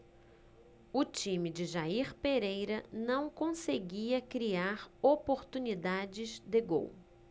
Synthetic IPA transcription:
ʊt͡ʃĩmɪd͡ʒɪʒaiɾpeɾejɾɐnɐ̃w̃kõseɡiɐkɾiaɾopoɾt̪unid̪ad͡ʒɪzd̪ɪɡo̰w

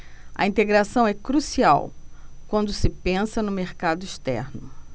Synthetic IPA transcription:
ɐ̰ĩnt̪eɡɾasɐ̃w̃ɛkɾusia̰wkwɐ̃nd̪ʊsɪpẽsɐnʊmeɾkad̪ʊiʃt̪ɛ̰ɾnʊ

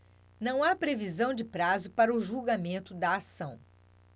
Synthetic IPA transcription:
nɐ̃w̃apɾevizɐ̃w̃d͡ʒɪpɾazʊpaɾɐʊʒuwɡamẽnt̪ʊd̪ɐːsɐ̃w̃

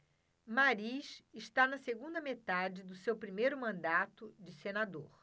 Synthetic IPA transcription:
maɾiʃɪʃt̪anɐseɡũnd̪ɐmet̪ad͡ʒɪd̪ʊsewpɾimejɾʊmɐ̃nd̪at̪ʊd͡ʒɪsenad̪oɾ

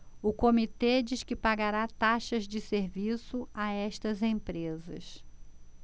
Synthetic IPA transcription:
ʊkomit̪ed͡ʒiʃkɪpaɡaɾat̪aʃɐzd͡ʒɪseɾvisʊaɛʃt̪ɐzẽpɾezɐ̰s

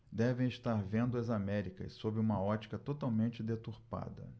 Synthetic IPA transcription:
d̪ɛvẽj̃iʃt̪aɾvẽnd̪ʊɐzamɛɾikɐ̰ssobɪũmɐɔt͡ʃi̥kɐt̪ot̪awmẽnt͡ʃɪd̪et̪uɾpa̰d̪ɐ̰

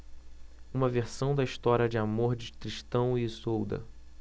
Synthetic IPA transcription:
ũmɐveɾsɐ̃w̃d̪ɐiʃt̪ɔɾiɐd͡ʒɪamoɾd͡ʒɪt̪ɾiʃt̪ɐ̃w̃ɪsowd̪ɐ̰

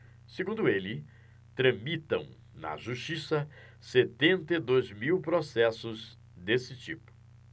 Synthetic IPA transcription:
seɡũnd̪ʊelɪ | t̪ɾɐ̃mit̪ɐ̃w̃ | nɐ̰ʒuʃt͡ʃisɐ | set̪ẽnt̪ɐid̪ojzmiwpɾosɛsʊz | d̪esɪt͡ʃipʊ̥

